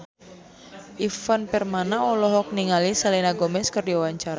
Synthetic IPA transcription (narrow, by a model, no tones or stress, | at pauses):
ʔifənpɛrmanaɔlɔɦɔk̚niŋalisalinaɡɔmɛskərdiawaɲt͡ʃaɾa